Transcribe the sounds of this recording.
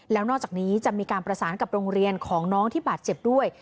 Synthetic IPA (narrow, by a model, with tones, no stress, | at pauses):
lɛː˦˥wnɔː˥˩t͡ɕaː˨˩k̚niː˦˥t͡ɕa˨˩ʔmiː˧kaː˧npɾa˧saː˩˦nka˨˩p̚ɾoː˧ŋɾi˧ənkʰɔː˩˦ŋnɔː˦˥ŋt̪ʰiː˥˩baː˨˩t̪̚t͡ɕe˨˩p̚du˥˩əj